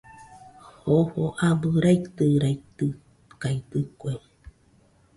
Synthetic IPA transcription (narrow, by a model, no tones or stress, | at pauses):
hohoʔabɨɾait̪ɨɾait̪ɨ | kajt̪ɨkʷe